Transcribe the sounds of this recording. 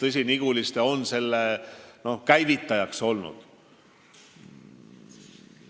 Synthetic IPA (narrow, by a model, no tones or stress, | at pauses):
t̪ɤs̬ʲiniɡ̥ulist̪eo̞nse̞lːeno̞kæjvit̪ːˑɑjɑkso̞lnṵd̪̥